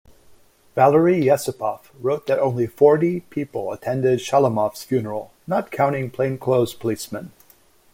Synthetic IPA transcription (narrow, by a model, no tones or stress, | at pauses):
vælˠə˞ijɛsəpʰɑfɹoʊt̪̚ðɨɾʔõʊ̃nlifɔɹɾipʰipl̩ˠətʰɛ̃ndɪd̥ʃælˠəmɑfsfjʉnə˞l̩ˠ | nət̚kʰãʊ̃ɾ̃ɪ̃ŋpʰl̥ẽɪ̃nkʰl̥oʊz̥pʰəlismə̃n